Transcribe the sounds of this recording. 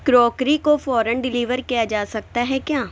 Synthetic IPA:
kɾɔːkɾikofɔːɾənɖɪliːʋəɾkijad͡ʒaːsɐk̚t̪aɦɛkjaː

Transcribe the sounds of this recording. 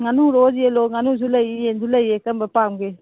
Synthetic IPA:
ŋanuɾozieloŋanus̬ulajiensulajekambapaŋɡe

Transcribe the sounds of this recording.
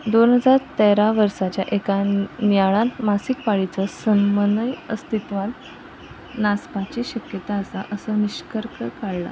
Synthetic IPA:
d̪onɦəd͡zaɾt̪eɾaʋəɾsat͡ɕjaʔekanaɭãnmasikpaɭit͡səsənmənəjəst̪it̪ʋal | naspat͡ɕiːɕəkjət̪aːsaʔəsəniɕkəɾkʰəkaɽla̰

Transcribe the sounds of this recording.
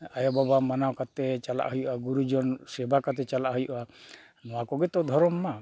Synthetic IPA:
ajɔbabamanawkat̪ɛt͡ʃala̰ʔɦujʔaɡuɾud͡ʒɔnsɛbakat̪̬ɛt͡ʃalaʔɦujuʔa | nɔwakɔɡɛt̪ɔd̪ʱɔɾɔmːa

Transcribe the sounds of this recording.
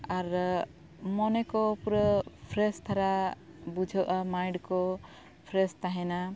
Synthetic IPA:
aɾ | mɔnɛkɔpuɾəpʰɾɛst̪ʰaɾa | bud͡ʒʱɔʔamajɳɖkɔ | pʰɾɛst̪aɦɛna

